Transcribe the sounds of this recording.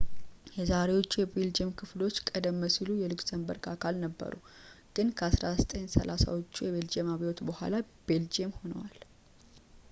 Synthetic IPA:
jɛzaɾe̞wo̞t͡ʃːujɛbeld͡ʒiemkʰɨflo̞t͡ʃːkʼəd̪əmːəsilujɛlɨkzəmbə̰ɾkʰakʰalnəbːə̰ɾṵ | ɡ̥ɨnkʰəasɾazət̪ʼəɲsə̰lasa̰wot͡ʃːujɛβeld͡ʒemaβiwot̪bəhʷa̰la | b̥eld͡ʒiemho̞nə̰wal

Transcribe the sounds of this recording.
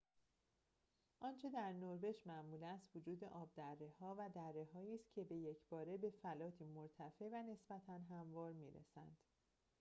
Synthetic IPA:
ʔɒːnt͡ʃʰe̞d̪æɾnoɾbe̞ʃmæmuːlæst̪vod͡ʒuːd̪e̞ʔɒːb̚d̪ærːe̞hɒːvæd̪ærːe̞ɦɒːiːst̪̚cʲʰe̞be̞jecʰbɒːɾe̞be̞fælɒːt̪ʰiːmoɾt̪ʰæfe̞væne̞sbæt̪ʰænɦæmvɒːɾmiːɾḛsænd̪̥

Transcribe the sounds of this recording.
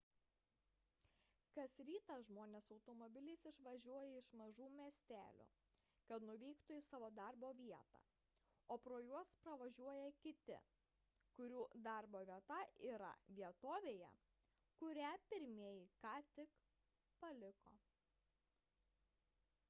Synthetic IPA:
kɐsɾʲiːt̪ɐʒmoːnʲeːsɒʊt̪ɔːmɔbʲɪlʲiːsɪʃʋɐʒʲuɔjɛɪʃmɐʒuːmʲiɛsʲt̪ʲæ̰ːlʲṵː | kɐt̪nʊʋʲɛɪkt̪ʊisɑːʋoːd̪ɐɾboːʋʲiɛt̪ɑ̰ | oːpɾoːjuɔspɾɐʋɐʒʲuɔjɛkʲɪt̪ʲɪ̰ | kʊɾʲuːd̪ɑˑɾboːʋʲiɛt̪ɐʔiːɾɐ̰ʋʲiɛt̪oːʋʲeːjɛ̰ | kʊɾʲæpʲɪɾʲmʲeːjɪkɑːt̪ʲɪk | pɐlʲɪko̰ː

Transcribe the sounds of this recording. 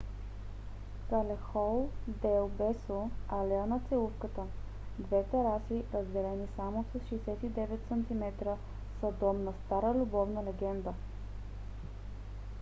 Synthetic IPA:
kalɛxɔlˠd̪ɛlˠbɛsoalɛənɐt̪sɛlufkət̪ə | d̪vɛt̪ɛɾasiɾəzd̪ɛlɛnisamosɐsʃijsɛt̪id̪ɛvɛt̪sɐnt̪imɛt̪ɾə | sɐd̪ɔmnɐst̪aɾəlʲubɔvnəlɛɡɛnd̪ə

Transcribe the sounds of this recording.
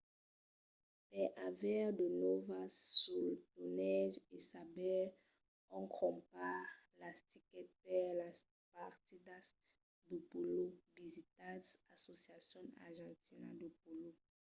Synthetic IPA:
pɛʔavɛʁd̪ənɔvasultunɛʒesabɛl | ɔ̃ŋkʰɔ̃mpaʁ | last̪ikɛt̪̚pɛʁla | paʁt̪id̪as | d̪əpulovizit̪ãsasosjasjɔ̃na̰ʁʒɑ̃ntina̰d̪əpulo

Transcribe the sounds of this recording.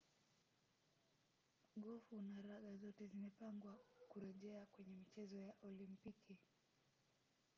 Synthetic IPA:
ɠɔfunaɾaɠazɔtɛzimɛpaŋɡwakuɾɛʄɛakwɛɲɛmit͡ʃɛzɔjaʔɔlimpiki

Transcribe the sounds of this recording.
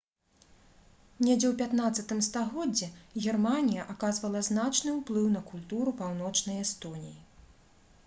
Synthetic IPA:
nʲɛd͡zʲɛwpʲat̪nat̪sːɐt̪ɨmst̪aɣɔd͡zʲːɛɣʲɛrmanʲijɐʔakazvɐlˠɐznat͡ʂnɨwplˠɨwnɐkulʲt̪uɾupawnɔt͡ʂnɐjɛst̪ɔnʲiji

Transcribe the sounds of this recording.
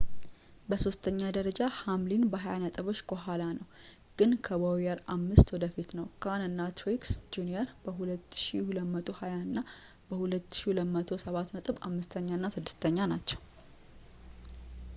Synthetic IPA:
bəso̞st̪ʰəɲːad̪əɾəd͡ʒahamlinbəɦajanət̪ʼɨβo̞t͡ʃːkʰoɦalanəw | ɡ̥ɨnkʰəbəwjəɾamːɨst̪wɔd̪əfit̪nəwkʰanɨnːat̪ʰɾiksd͡ʒuniəɾb̥əɦulət̪ːʃihuləmət̪ʰʼo̞hajanːa | bəhulət̪ːʃiləmət̪ʰo̞səβat̪nət̪ʼɨβa̰mːɨst̪ʰəɲːanːasɨd̪ːɨ̥st̪ʰəɲːanat͡ʃːɛw

